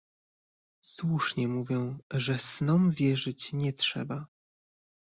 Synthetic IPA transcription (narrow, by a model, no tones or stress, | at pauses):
swuʂɲɛmuvʲjɛ̃ʐɛsnɔmvʲjɛʐɘt͡ɕɲɛtʂɛ̰ba